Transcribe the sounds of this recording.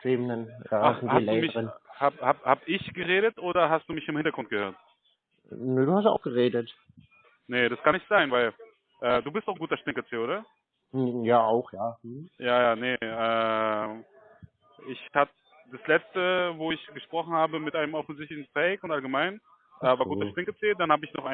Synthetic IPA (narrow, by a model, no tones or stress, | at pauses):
tʁiːmnɛnjaːanhasːltɛ̥duːmɪʁənhaːbhaːbhaːbʔɪçɡ̥əʁeːɾətʔoːɾɐɦastd̥uːmɪçɪmhɪntɐɡʁʊnt̚ɡ̥əhøːɐt | nəːduːhasta̰ʊxɡ̥əʁeːdət | nədaskʰanɪçtz̥aɪnvaɪl | ʔɛːduːbɪstaʊɡuːtɐʃtɪŋkət͡siːoːɾɐ | jaːaʊxjaːjaːjaːnəʔɛː | ʔɪçhabə | d̥aslɛt͡stəvoːɪçɡ̥əʃpʁ̥ɔχn̩haːbəmɪtʔaɪnəmʔɔfn̩zɪçtlɪçnfɛɪkʊntʔalɡəmaɪn | ʔɛːvaɐɡuːtɐʃtɪŋkət͡seːdanhaːbəɪçnɔχʔaɪ